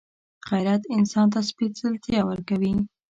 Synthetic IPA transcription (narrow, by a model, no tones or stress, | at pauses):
ɣajɾat̪ɪnsɑnt̪aspisɪlt̪jawəɾkawi